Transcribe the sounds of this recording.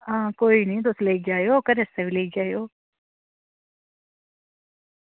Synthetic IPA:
ãːkoːinɐɦĩːt̪osleːkd͡ʒaːjokəɾɛsebʱileːkd͡ʒaːjoː

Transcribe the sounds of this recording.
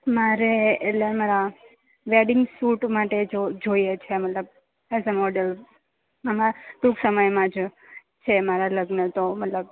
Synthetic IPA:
maɾeeʈlemaɾa | ʋeɖɪŋɡsuʈmaʈed͡ʒod͡ʒojet͡ʃʰemət̪ləb̚ | ɛzəmɔɖəl | əmaʈ̪uɡsəməjmãd͡ʒ | t͡ʃʰemaɾaləɡnət̪omət̪ləb

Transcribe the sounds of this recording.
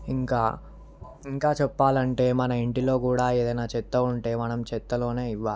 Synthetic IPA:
iŋkaː | iŋkaːt͡ʃɛpːaːlɐɳʈe̞ːmɐnɐiɳʈilo̞ːkuːɽaːe̞ːd̪ɐjnaːt͡ʃɛt̪ːɐuɳʈe̞ːmɐnɐmt͡ʃɛt̪ːɐlo̞ːne̞ːiʋːaːli

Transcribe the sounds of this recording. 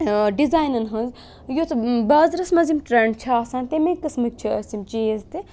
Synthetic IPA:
ɖizaːjnɐnɦɐnz | jot̪baːzɾɐsmɐzimʈɾeɳɖt͡ʃʰɐaːsãːnt̪emekɐsmɨk̚ʲt͡ʃʰɐɐsimt͡ʃeːzt̪i

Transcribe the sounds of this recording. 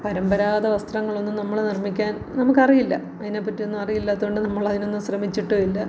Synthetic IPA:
pɐɾɐmbɐɾaːðɐʋɐst̪rɐŋːɐɭo̞nːumnɐmːɐɭnirmikʲːaːn | nɐmukːɐrijilːɐ̰ | ɐðine̞ːpːɐtːijo̞nːumɐrijilːaːt̪ːuɣoɳɖɨnɐmːɐɭɐðino̞nːumɕrɐmit͡ɕːiʈːɨilːɐ

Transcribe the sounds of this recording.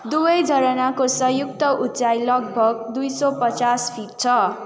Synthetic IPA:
d̪ubʌjd͡zʱʌɾʌnakosʌjuk̚t̪ʌʔut͡sajlʌɡ̚bʱʌɡ̚d̪ujsʌpʌt͡saspʰiʈ̚t͡sʰʌ

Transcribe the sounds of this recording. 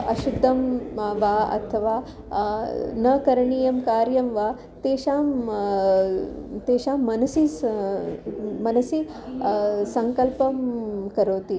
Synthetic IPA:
ɐ̰ʃud̪ʱːɐmʋaːɐ̰t̪ʰɐʋaː | nɐkɐɾɳiːjɐmkaːɾjɐmʋaː | t̪eːʃaːm | t̪eːʃaːmːɐnɐsi | mɐnɐsi | sɐŋkɐlpɐmkɐɾoːt̪i

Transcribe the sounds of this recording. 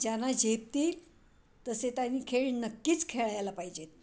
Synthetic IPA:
d͡ʑanad͡ʑʱep̚t̪iː | t̪əset̪janiːkʰeɭnəkːiːt͡skʰeɭajalapaɦid͡ʑet̪̚

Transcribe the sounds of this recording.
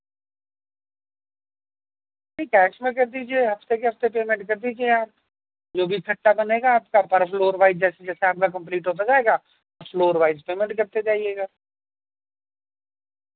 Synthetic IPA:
nĩkɛːʃmẽkɐɾd̪id͡ʒieɦɐft̪ekeɦɐft̪epeːmẽɳʈkɐɾd̪iːd͡ʒiejaːɾ | d͡ʒoːbʱikʰɐʈːabɐneːɡaːp̚kapɐɾpʰloːɾʋaːɪzd͡ʒɛːsed͡ʒɛːseaːp̚kakɐ̃mp̬liːʈɦoːt̪̬ad͡ʒaːeɡa | pʰloːɾʋaːɪzpeːmɛ̃ɳʈkɐɾt̪ed͡ʒaːieɡa

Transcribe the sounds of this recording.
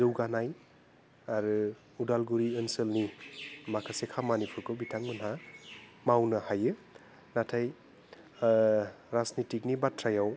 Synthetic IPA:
zɯwɡanaj | aɾɯ | udalɡuɾiənsəlnimakʰasekʰamanipʰuɾkʰɯbitʰaŋmɯnɦa | mawnɐhajɯ | natʰaj | ɾasnitik̚nibatʰɾajaw

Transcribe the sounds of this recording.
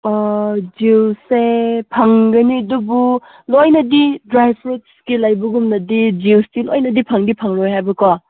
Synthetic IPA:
d͡ʒiwsepʰɐŋɡɐnidubu | lojnɐdidɾajpʰɾut̚skilajbuɡumnɐdid͡ʒiwsdilojnɐdipʰɐŋdipʰɐŋɾojɦajbɐka

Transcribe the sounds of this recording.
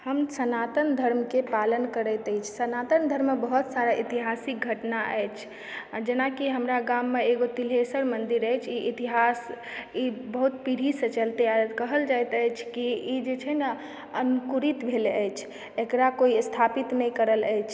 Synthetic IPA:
həmsənat̪ənd̪ʱəɾmkepalənkəɾət̪əjt͡ʃʰsənat̪ənd̪ʱəɾmebəɦut̪saɾaʔit̪iɦasik̚ɡʱəʈnaʔɛ̰jt͡ʃʰ | d͡ʒenakiɦəmɾaɡamːeeɡot̪ilesəɾmənd̪iɾəjt͡ʃʰiʔit̪iɦas | ibəɦut̪piɽ̤isə̃t͡ʃəlt̪eakəɦəld͡ʒajt̪əjt͡ʃʰkiid͡ʒet͡ʃʰənə | ənkuɾit̪bʱeləjt͡ʃʰ | ekɾakoist̪ʰapit̪nɛjkəɾələjt͡ʃʰ

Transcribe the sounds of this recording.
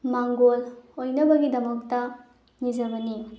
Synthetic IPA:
maŋɡolojnɐbɐɡidɐmɐk̚tɐ | nizɐbɐni

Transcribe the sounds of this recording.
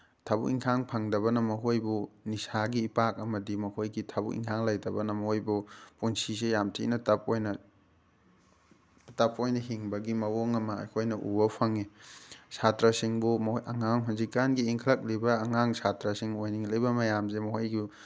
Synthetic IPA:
tʰabuk̚iŋkʰaŋpʰɐŋdɐβɐnɐmɐɦojbunisaɡiːpak̚ɐmɐdimɐhojɡitʰabṵk̚ḭŋkʰaŋlɐjdɐbɐnɐmɐhojbupunsisejamtʰḭnɐtɐp̚ojnɐ | tɐpojnɐɦiŋbɐɡimɐwoŋɐmɐ̰ːjkʰojnɐʔṵbɐpʰɐŋisatɾɐsiŋbumɐŋaŋɦunzikːanɡiːŋkʰɐlɐk̚libɐːŋaŋsatɾɐsiŋojniŋlɐjbɐmɐjamzemɐhojɡi

